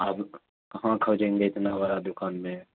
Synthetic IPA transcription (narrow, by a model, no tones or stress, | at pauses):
aːb | kɐɦãkʰɐd͡ʒẽːŋɡeɪt̪nabaɾad̪ʊkaːnmẽ